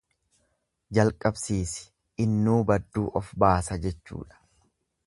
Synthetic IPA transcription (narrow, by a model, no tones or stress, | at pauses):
d͡ʒɐlkʼɐbsiːsɪ̥ | ɪnːuːbɐd̪ːuːʔɔfbaːsɐd͡ʒɛt͡ʃːṵːᶑɐ̥